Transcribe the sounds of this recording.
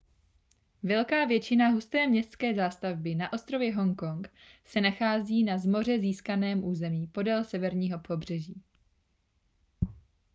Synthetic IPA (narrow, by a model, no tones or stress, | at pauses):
vɛlkaːvjɛt͡ʃɪnaɦust̪ɛːmɲɛst̪t͡skɛːzaːst̪avbɪnaʔo̞st̪ɾovjɛɦo̞ŋko̞ŋk | sɛnaxaːziːnazmo̞r̝ɛziːskanɛːmʔuːzɛmiːpo̞dɛlsɛvɛɾɲiːɦo̞pʰo̞br̝̥ɛʒiː